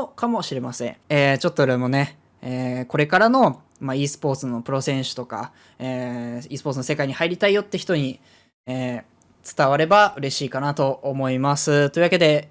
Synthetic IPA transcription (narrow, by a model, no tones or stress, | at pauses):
okamo̞ɕiɾe̞masẽ̞eːt͡ɕo̞t̪ːoɯɾemo̞ne̞ | eːko̞ɾe̞kaɾano̞ | maiːsɨ̥po̞ːt͡sɨno̞pɯ̟ɾo̞sẽ̞ɰ̃ɕɨ̥t̪o̞ka̰ | eːiːsɨ̥poːt͡sɨno̞se̞kaiɲ̟ihaiɾʲit̪aijo̞t̪ːe̞çi̥t̪o̞ɲ̟i | eː | t͡sɨ̥t̪aβaɾe̞baɯ̟ɾe̞ɕiːkanat̪o̞ːmo̞imasɨt̪o̞iɯ̟βake̞d̪e̞